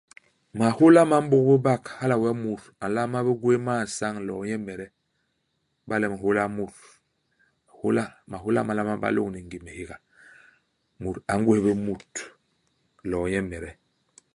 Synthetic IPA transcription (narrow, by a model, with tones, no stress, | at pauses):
ma˨ho˦la˦ma˨˦m̩˦bu˦kbə˦ba˦˨kha˦la˨wa˦mu˨ɾa˨la˦ma˦be˦ɡwe˦ma˦˨sa˦ŋlɔ˨˦jɛ˦mɛ˨ɾɛ˦ | ba˦lɛ˦˨ma˨ho˦la˦mu˨ɾ | ho˦la˦ma˨ɦo˦la̰˦ma˨la˦ma˦ba̰˦lo˦˨ŋni˨ŋɡi˨me˨hi˦ɡa˨ | mu˨ɾa˨˦ŋɡwe˦be˦mu˨t | lɔ˨jɛ˦mɛ˨ɾɛ˦